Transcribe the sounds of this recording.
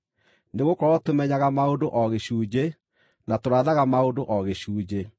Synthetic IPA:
neɣokɔɾɔtomɛɲaɣamaondoʔɔɣeɕuːd͡ʑe | natoɾaːðaɣamaondoʔɔɣeɕuːd͡ʑe

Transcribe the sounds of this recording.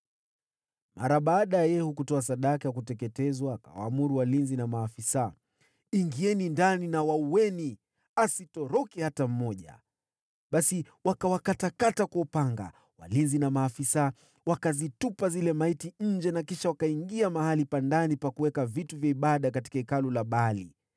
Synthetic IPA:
mʔa̰ɾaɓaːɗajajɛhukutɔas̬aɗakijak̬utɛkɛtɛzwaːka̰wa̰ːmuɾuwalinzinamaːfisa | iŋɡiɛnindaninawauwɛni | asitɔɾɔkɛhatam̩mɔʄa̰ | ɓasi | wakawakatakatakɔːpaŋɡa̰ | wa̰linzinamaːfisa | wakazitupazilɛmaitiɲ̩d͡ʒɛnakiʃawakaiŋɡiamahalipandanipakuwɛkavituvjaiɓaɗakati̥kaikalulaɓali

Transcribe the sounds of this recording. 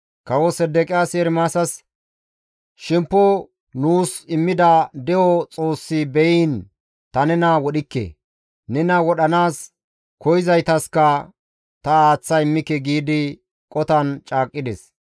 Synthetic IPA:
kɐwɔsɛd̪ːɛkʼɪjaːseːɾmaːsɐs | ʃɪmpːɔ | nuːsɪmːɪd̪ɐd̪ɛwɔt͡sʼo̞ːsːɪbɛjiːn | t̪ɐnɛnɐwɔɗɪkːɛ̰ | nɛnɐwɔɗɐnaːs | kɔjɪzɐjt̪ɐskɐ | t̪ɐaːt͡sːɐɪmːɪkːɛɡiːd̪ɪ | kʼɔt̪ɐnt͡ʃʼaːkʼːɪd̪ɛs

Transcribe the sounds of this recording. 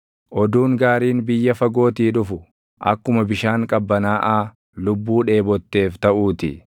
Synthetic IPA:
ʔɔd̪uːŋɡaːɾiːnbɪjːɐfɐɡo̞ːt̪iːᶑʊfʊ | ʔɐ̰kːʊmɐbɪʃaːŋkʼɐbːɐnaːʔaː | lʊbːuːᶑe̞ːbɔt̪ːe̞ːft̪ɐʔuːt̪ɪ

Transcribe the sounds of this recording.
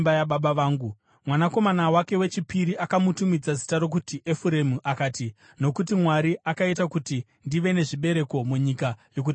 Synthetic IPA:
bajaɓaɓaʋaːŋɡu | mwanako̞manawake̞we̞t͡ʃipiɾiʔakamutumid͡zazi̥taɾo̞k̬utiʔefuɾe̞muʔakaːti | no̞kutimwaɾiʔakaitakuti | ndiʋe̞ne̞ʐiɓe̞ɾe̞ko̞muɲikajo̞k̬uti

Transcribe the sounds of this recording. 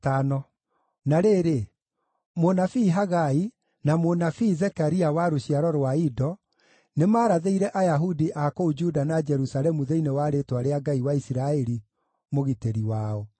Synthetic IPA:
tanɔ | naɾeːɾe | monafiːɦaɣai | namonafiːzɛkaɾiawaɾoɕiaɾɔɾwaidɔ | nemaːɾaðeiɾɛʔajaɦudiʔakoud͡ʒudanad͡ʒɛɾusaɾɛmuðeinewaɾetwaɾeaɡaiwaisiɾaɛɾi | moɣiteɾiwaːɔ

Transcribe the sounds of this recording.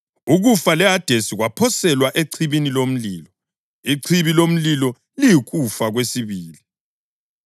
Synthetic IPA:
uɣufalɛad̥ʱesiɣwapʰɔsɛlwaʔeǀʰiβinilom̩liːlɔ | iǀʰiβilom̩lilɔ | lijɣufaɣwesiβiːli

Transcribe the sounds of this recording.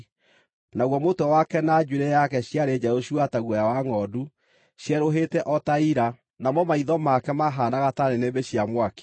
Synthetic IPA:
naɣwɔmotɔwakɛnad͡ʒuɾɛjakɛɕjaɾed͡ʑɛɾoɕuataɣwɛjawaŋɔdu | ɕjɛɾoɦetɛʔɔtaiɾa | namɔmaiðɔmakɛmaɦanaɣataɾenebeɕjamwake̥

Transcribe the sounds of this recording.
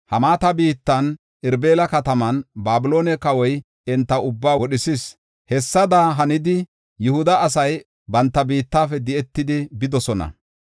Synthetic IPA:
hɐmaːt̪ɐbiːt̪ːɐn | ɪɾbeːlɐkɐt̪ɐmɐnbaːbɪlo̞ːnɛkɐwɔj | ɛnt̪ːɐʊbːaːwɔɗɪsɪs | hɛsːɐd̪aːɦɐnɪd̪ɪ | jʊhʊd̪ɐːs̬ɐj | bɐnt̪ːɐbiːt̪ːaːfɛd̪ɪɛt̪ːɪd̪ɪbɪd̪ɔsɔnɐ̰

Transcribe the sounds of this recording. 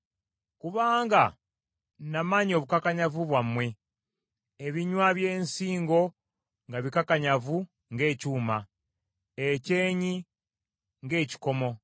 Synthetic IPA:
kuβaːŋɡa | namaɲo̞ːβukakaɲavuβwamwe̞ | eβiɲwaβje̞ːnsiːŋɡo̞ | ŋɡaβikakaɲavu | ŋɡe̞ːcuːma | ece̞ːɲi | ŋɡe̞ːci̥ko̞mo̞

